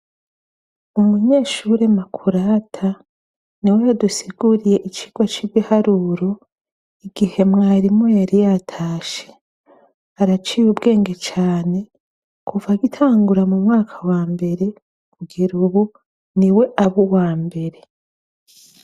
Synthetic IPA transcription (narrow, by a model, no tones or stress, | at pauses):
umuɲe̞ːʃuɾe̞makʰuɾatʰa | niwe̞jadusiɡuɾije̞ʔit͡ʃi̥ɡ̥wat͡ʃiβihaɾuɾo̞ | iɡihe̞mŋaːɾimo̞jaɾijatʰaːʃe̥ | aɾat͡ʃiːjubɡe̞ːŋɡe̞t͡ʃaːne̞ | kʰuvaɡitʰaːŋɡuɾamumŋaːkʰawaːmbe̞ɾe̞ | kuɡiɾuβu | niwe̞ʔaβuwaːmbe̞ɾe̞